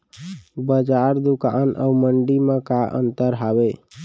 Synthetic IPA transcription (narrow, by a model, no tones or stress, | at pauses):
bəd͡ʒaɾd̪uka̰nʔə̰wməɳɖimekaʔə̰nt̪əɾɦabe